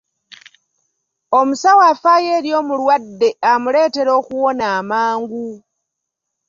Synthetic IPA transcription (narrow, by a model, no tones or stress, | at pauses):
o̞musawaːfaːjeːɾjo̞ːmulwadːe̞amule̞ːte̞ɾo̞ːkuwo̞naːmaːŋɡu